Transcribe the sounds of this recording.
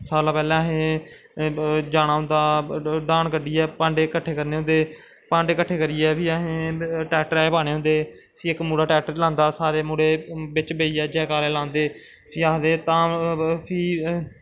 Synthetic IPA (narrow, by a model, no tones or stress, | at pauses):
saːlaːpɛːlɛ̃ːəɦẽː | d͡ʒaːɽ̃aːɦʊ̃nd̪aːɖãːɳkəɖiːɛːpãːɳɖeːkəʈʰːeːkəɾneːɦʊ̃nd̪eː | pãːɳɖeːkəʈʰːeːkəɾiːɛːpʰiːəɦẽːʈɛːʈəɾɛːpaːɽ̃eːɦʊ̃nd̪eː | pʰiːɪkmuːɽaːʈɛːʈəɾlãːnd̪aːsaːɾeːmuːɽeːbɪt͡ʃbeːiːɛːd͡ʒɛːkaːleːlãːnd̪eː | pʰiːaːɦd̪eːt̪ãːpʰiː